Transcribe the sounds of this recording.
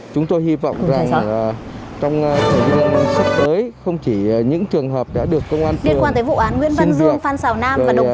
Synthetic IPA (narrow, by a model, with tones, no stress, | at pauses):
t͡ɕʊ˨˦ŋ͡mt̪o˧jhi˧vɔ̰˧˨wŋ͡mza˨˩˧ | t͡ɕɔ˧wŋ͡mt̪ʰə˨˧˩vi˧˨˧ə˧nsa˦˥p̚t̪əː˨˦jxə˧wŋ͡mt͡ɕi˧˩ɲɨ̰˧˥ŋt͡ɕɨ˨˩əŋɦəː˨˩p̚ɗa̰ː˧˥ɗɨ˨˩əkːə˧wŋ͡mʔaː˧nt̪e˧˨˩kwa˧nt̪əː˨˦jvṵ˧˨ʔaː˨˦nŋwḭ˧˥nvəi˧nzɨ˧˨˧əŋfaː˧nsaː˨˩wnaː˧movaː˨˩j